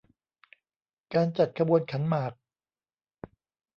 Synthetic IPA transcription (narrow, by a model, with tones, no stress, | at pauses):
kaː˧nt͡ɕa˨˩t̪̚kʰa˧bu˧ənkʰa˩˦nmaː˨˩k̚